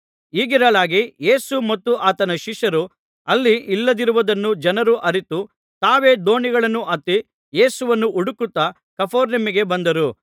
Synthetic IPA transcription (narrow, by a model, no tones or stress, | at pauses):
iːɡiɾɐɭaːɡije̞ːsumɐt̪ːuʔaːt̪ɐnɐʃiʃɐɾu | ɐlːiilːɐd̪iɾuʋɐd̪ɐnːud͡ʒɐnɐɾuʔɐɾit̪u | t̪aːʋe̞ːd̪o̞ːɳiɡɐɭɐnːuʔɐt̪ːi | je̞ːsuʋɐnːuʔuɽukut̪ːɐ | kɐpʰoːɾnɐmiɡe̞bɐnd̪ɐɾu